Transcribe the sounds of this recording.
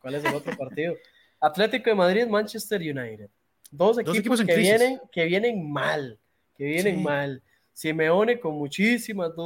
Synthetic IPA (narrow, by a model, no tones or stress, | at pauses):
kwales̬elot̪ɾopaɾt̪iðo | at̪let̪ikoðemaðɾiðmãnt͡ʃest̪eɾjunajɾeð̥ | d̪os̬ek̪ikposkeijeneŋkeβje̞neŋmal | keβjeneŋmal | simeoneko̞nmut͡ʃisimazd̪